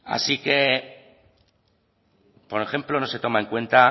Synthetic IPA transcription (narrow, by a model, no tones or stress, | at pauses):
a̰sike̞ | po̞ɾe̞xe̞mplo̞no̞se̞t̪o̞maeŋkwe̞nt̪a